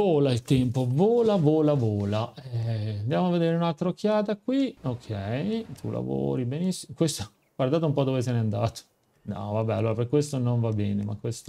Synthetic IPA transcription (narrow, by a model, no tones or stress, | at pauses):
oːlailt̪ɛmpovoːlavoːlavoːlaɛand̪jaːmoavːed̪eːɾeunalt̪ɾaokʰːjaːt̪akwiokʰːɛjt̪ʰṵlʔa̰vo̰ːɾibenisːiokwest̪o̥ | ɡward̪aːt̪oumpɔd̪ːovesɛneand̪aːt̪o̥ | d̪a̰vabɛalːoːɾapekwest̪onoɱvabːɛːnemakːwest̪o